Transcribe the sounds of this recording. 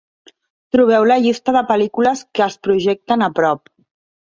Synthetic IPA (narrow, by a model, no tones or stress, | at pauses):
t̪ɾuβ̞ɛwləʎist̪əðəpəlikuləskəːspɾuʒɛk̚t̪ənəpɾɔp̚